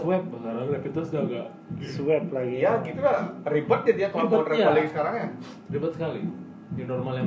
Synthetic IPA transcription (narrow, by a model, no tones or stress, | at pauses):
wɛp̚bəɦaɾaŋdapit̪əsɡaɡaʔ | swɛp̚laɡijaɡit̪ularibət̪̚d͡ʒadijakɔbət̪ɾɛalaɡisə̥kaɾaŋja | ribət̪̚sə̥kali | dinɔrmalja